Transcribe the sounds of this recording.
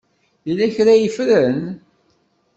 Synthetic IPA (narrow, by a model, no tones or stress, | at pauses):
ilæçɾæjəfɾən